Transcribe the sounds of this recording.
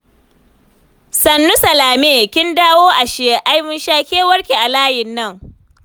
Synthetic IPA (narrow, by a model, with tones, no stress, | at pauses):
sɐ˨nːu˦sɐ˨laː˨meː˦˨kʲɪ˦ndaː˦woː˦ʔa˨ʃɪ˨je˦ʔa˦jmɪ˦nʃaː˦kʲeː˦wɐ˦ɽkʲe˨ʔa˨laː˦jɪ˨nːɐ˦˨ŋ